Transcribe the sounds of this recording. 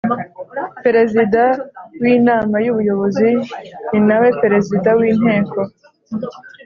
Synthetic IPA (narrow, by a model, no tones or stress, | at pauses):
pe̞ɾe̞zidawiːnaːmajuβujo̞βo̞zininawe̞pe̞ɾe̞zidawiːn̥ɦe̞ːko̞